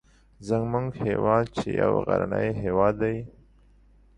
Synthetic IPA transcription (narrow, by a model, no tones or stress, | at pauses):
zəŋɡmʊŋɡhewɑːd̪̚t͡ʃeja̰wɣa̰ɾanəjɦewɑd̪ːaj